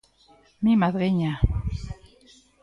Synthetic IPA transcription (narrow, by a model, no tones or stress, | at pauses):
mimaðɣeɲa